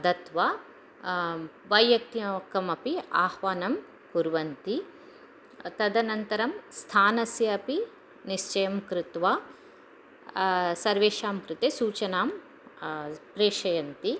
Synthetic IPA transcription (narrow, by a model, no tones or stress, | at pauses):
ɐd̪ɐt̪ʋaː | ʋɐjːɐk̚t̪iɐɐkɐmɐpiaːhʋaːnɐm | kuɾʋɐnt̪i | t̪ɐd̪ɐnɐnt̪ɐɾɐmst̪ʰaːnɐsjɐɐpi | niʃt͡ʃɐjɐmkɾɪt̪ʋaː | sɐɾʋeːʂaːmkɾɪt̪esuːt͡ʃɐnaːm | pɾeːʃɐjɐnt̪i